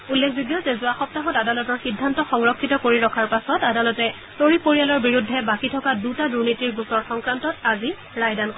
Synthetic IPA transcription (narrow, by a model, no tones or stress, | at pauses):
ulːekʰziɡjɔzɛzʊaxɔp̚taɦɔtadalɔtɔɹxidʱːantɔxɔŋɹɔkʰːitɔkoɹiɹɔkʰaɹpasɔtadalɔtɛ | toɹipoɹijalɔɹbiɹudʱːɛbakitʰɔkadutaduɹnitiɹɡusɔɹxɔŋkɹantɔtazi | ɹajdank